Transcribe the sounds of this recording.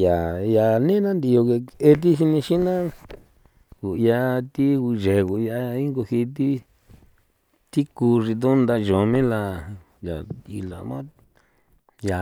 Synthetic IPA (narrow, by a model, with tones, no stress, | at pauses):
ja˨ja˨nẽ˦nã˦nd̪i˧jo˧ke˧e˧t̪̬i˦ʃi˧nĩ˧ʃi˦nã˦ | ku˨˧ja˧t̪i˦u˧ʒe˨ɣu˨˧ja˧i˦ŋɡo˧hi˧t̪i˦ | t̪i˦ku˧ʐi˧d̪o˦nd̪a˧ʒo˨mĩ˦la˧ | ja˨i˧la̰˨mã˦ | ja˨